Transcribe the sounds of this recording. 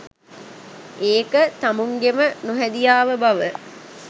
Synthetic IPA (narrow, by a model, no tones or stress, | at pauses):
eːkət̪amuŋɡemənuɦæd̪ijaːʋəbaʋə